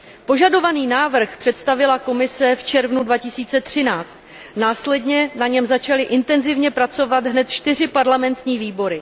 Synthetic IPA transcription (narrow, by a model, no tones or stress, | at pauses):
po̞ʒado̞vaniːnaːvr̩xpr̝̥ɛt̪st̪avɪlako̞mɪsɛft͡ʃɛɾvnudvacɪsiːt͡sɛt̪r̝̥ɪnaːt͡st̪ | naːslɛdɲɛnaɲɛmzat͡ʃalɪʔɪnt̪ɛnzɪvɲɛpɾat͡so̞vad̪ɦnɛt̪t͡ʃt̪ɪr̝ɪpaɾlamɛnt̪ɲiːviːbo̞ɾɪ